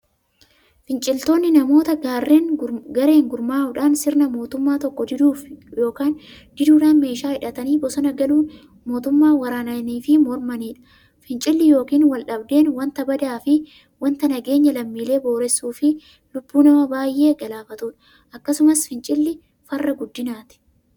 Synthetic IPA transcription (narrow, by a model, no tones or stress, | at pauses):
fɪnt͡ʃʼɪlt̪oːnːɪnɐmo̞ːt̪ɐɡaːrːeːnɡɐɾe̞ːŋɡʊɾmaːʊᶑaːnsɪɾnɐmo̞ːt̪ʊmːaːt̪ɔkːɔd̪ɪnuːfjo̞ːkaːn | d̪ɪd̪uːᶑaːnme̞ːʃaːhɪᶑɐt̪ɐniːbɔsɐnɐɡɐluːn | mo̞ːt̪ʊmːaːwɐɾaːnɐniːfɪmɔɾmɐniːᶑɐ̥ | fɪnt͡ʃʼɪlːɪjo̞ːkiːnwɐlᶑɐbd̪e̞ːnwɐnt̪ɐbɐd̪aːfɪ | wɐnt̪ɐnɐɡe̞ːɲːɐlɐmːiːle̞ːbo̞ːɾɛsːuːfɪ | lʊbːuːnɐmɐbaːjʔe̞ːɡɐlaːfɐt̪uːᶑɐ̥ | ʔɐkːɐsʊmɐsfɪnt͡ʃʼɪlːɪ | fɐrːɐɡʊd̪ːɪnaːt̪ɪ̥